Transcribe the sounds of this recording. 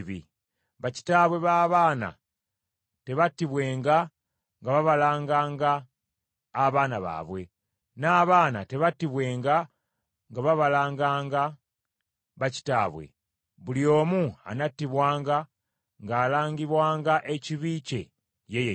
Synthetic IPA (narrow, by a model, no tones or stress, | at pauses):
βi | βaci̥taːβwe̞βaːβaːna̰ | te̞βatːiβwe̞ːŋɡa | ŋɡaβaβalaːŋɡaːŋɡaː | βaːnaβa̰βwe̞ | naːβaːna̰te̞βatːiβwe̞ːŋɡa | ŋɡaβaβalaːŋɡaːŋɡa | βaci̥taːβwe̞̰ | βuljo̞ːmua̰natːiβwaːŋɡa | ŋɡaːlaːɲɡiβwaːŋɡaʔe̞ciβice̞̰ | jeje